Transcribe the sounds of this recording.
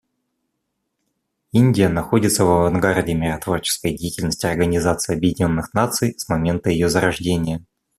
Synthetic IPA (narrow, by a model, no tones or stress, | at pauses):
inʲdʲɪjənɐxo̞dʲɪt̪səvɐvɐnɡardʲɪmʲɪɾɐt̪vo̞rt͡ɕɪ̥skəjdʲejtʲɪlʲnəsʲtʲɪɐrɡənʲɪzat̪sɨɪɐbjɪdʲɪnʲo̞nːɨxnat̪sɨjsmɐmʲe̞nt̪əjɪjo̞zəɾɐʐdʲenʲɪjə